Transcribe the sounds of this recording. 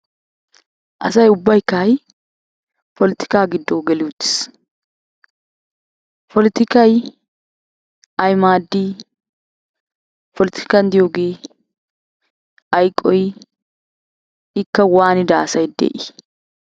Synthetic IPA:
ʔɐ̰sɐjʊbːɐjkːaːj | pɔlɪt̪ɪ̥kaːɡɪd̪ːoːɡɛlɪʊt̪ːɪ̥s | pʰɔlɪt̪ɪkɐj | ɐjmaːd̪ːiː | pʰɔlɪt̪ɪ̥kand̪ɪjoːɡeː | ɐjkʼːɔj | ɪkːɐwaːnɪd̪aːsɐjd̪ḛːʔɪ

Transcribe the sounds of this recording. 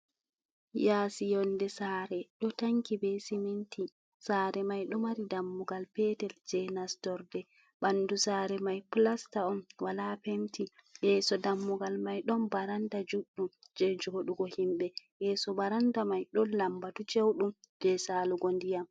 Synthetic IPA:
jaːsijɔndɛsaːɾɛɗɔtaŋkibɛsiminti | saːɾɛmajɗɔmaɾidamːuɡalpɛtɛld͡ʒɛnastɔɾdɛ | ɓanːdusaːɾɛmajplastaɔnwalapemtijɛsɔdamːuɡalmajɗɔmbaɾandad͡ʒuɗumd͡ʒɛd͡ʒɔhoɗuɡɔhimɓɛjɛsɔbaɾandamajɗɔnlambatut͡ʃewɗum | d͡ʒ̥ɛsaːluɡondijam

